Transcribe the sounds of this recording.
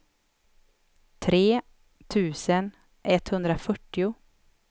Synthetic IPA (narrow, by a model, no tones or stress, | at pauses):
t̪ʰɾeː | t̪ʰʉ̟ːsən | ʔɛt̪hɵnd̪ɾafœʈːɪʊ